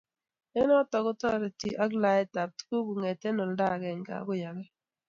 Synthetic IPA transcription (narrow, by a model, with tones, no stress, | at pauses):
ɛ˦nɔ˦tɔ˨ɡʊ˦tɔ˦ɾɛ˨tḭ˨ʔa˦ɡla˨ɛ˦ta˨p̚tku˦ɡu˨ŋe˨tɛ˦nɔ˨lda˦˨ɡɛ˨ŋɡa̰˨ɡʊ˦ja˨ɡɛ˦